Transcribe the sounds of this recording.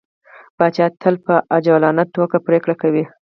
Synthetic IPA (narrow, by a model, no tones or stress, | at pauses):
b̥ɑt͡ʃɑt̪ʰəlpəʔad͡ʒalɑnaʈokapɾekɽakawi